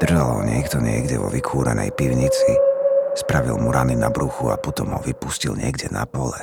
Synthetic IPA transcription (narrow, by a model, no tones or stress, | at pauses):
d̪̥r̩ʒalɦɔɲɪɛkt̪ɔɲɪɛɡɟɛʋɔʋikʰuːɾɛnɛjpiʊɲit͡sispɾaʋilmuɾaninabɾuxuapɔt̪ɔmɦɔʋipuscilɲɪɛɡɟɛnapɔlɛ